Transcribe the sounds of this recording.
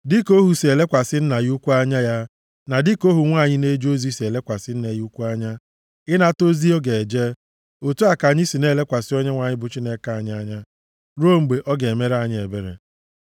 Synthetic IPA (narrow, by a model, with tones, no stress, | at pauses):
dɪ˦ko˦ɦu˨se˨le˦kʷa˨sɪ˦n̩˦na˨ju˦kʷu˦a˦ɲa˦ja˦ | na˨dɪ˦ko˦ɦu˨ŋʷa˦˨ɲɪ˦ne˦d͡ʒo˦zi˦si˨e˨le˦kʷa˨sɪ˦n̩˦ne˨ju˦kʷu˦a˦ɲa˦ | ɪ˦na˦˨to˦zi˦o˦ɡe˨d͡ʒe˦ | o˨tu˦a˨ka˨ɲɪ˦si˨ne˦le˦kʷa˨sɪ˦ɔ˦ɲe˦ŋʷa˨ɲɪ˦bʊ˨t͡ʃi˦ne˦ka˨ɲ˦a˦ɲa˦ | ɾo˦˨ŋ͡m̩˨ɡ͡be˨ʔɔ˦ɡe˨e˨me˦ɾa˨ɲɪ˨e˨be˦ɾḛ˨